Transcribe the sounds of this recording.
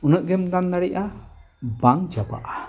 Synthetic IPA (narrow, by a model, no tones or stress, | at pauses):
unəʔɡɛmd̪and̪aɽiʔa | baŋd͡ʒaba̰ʔa